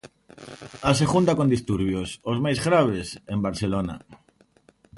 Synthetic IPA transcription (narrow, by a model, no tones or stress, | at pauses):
as̬e̞xunt̪ako̞nd̪ist̪uɾβjosozmajzɣɾaβ̞esembaɾθelona̰